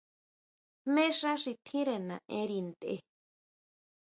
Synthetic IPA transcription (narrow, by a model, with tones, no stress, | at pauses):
mẽ˦ʂã˦ʂi˧t̪ʰĩ˦ɾe˧˨nã˨ʔẽ˧˦ɾi˧nd̪ḛ˧